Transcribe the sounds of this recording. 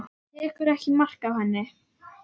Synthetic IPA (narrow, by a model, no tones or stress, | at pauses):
jɛːkʏɾɛhcɪmar̥kawhɛnːɪ